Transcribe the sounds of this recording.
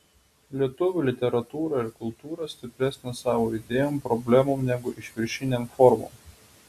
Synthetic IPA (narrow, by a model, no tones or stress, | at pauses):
lʲiɛt̪ʊʋʲuːlʲɪt̪ʲɛɾɐt̪uːɾɐɪɾkʊlˠt̪uːɾɐsʲt̪ʲɪpʲɾʲæsʲnʲɛsɑːʋoːɪd̪ʲeːjoːmpɾɔbʲlʲæmoːmnʲɛɡʊʔɪʃʲʋʲɪɾʲʃʲɪnʲemfɔɾmo̰ːm